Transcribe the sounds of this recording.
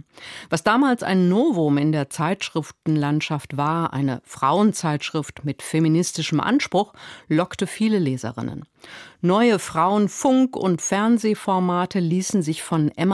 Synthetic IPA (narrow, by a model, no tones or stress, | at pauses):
v̥asd̥aːmaːlsa̰ɪnːoːvomɪndeːɐt͡saɪtʃʁ̥ɪftn̩lantʃaftv̥aːɐʔa̰ɪnə̰fʁ̥a̰ʊənt͡saɪtʃʁ̥ɪftmɪtfeminɪstɪʃəmʔa̰nʃpʁ̥ʊxlɔktəfiːləleːzɐ̰ʁɪ̰nə̰n | nɔʏəfʁ̥aʊənfʊŋkʊ̰ntfɛɐnzeːfɔɐmaːtʰəliːsn̩zɪçfɔnʔɛm